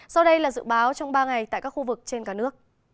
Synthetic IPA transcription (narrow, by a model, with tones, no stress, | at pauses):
sa˧wɗə˧jlaː˨˩zɨ̰˧˨ɓaː˨˦wt͡ɕɔ˧wŋ͡mɓaː˧ŋa˨˩jt̪a̰ː˧˨jkaː˦˥kxu˧vɨ˨˩k̚t͡ɕe˧nkaː˧˩nɨ˦˥ək̚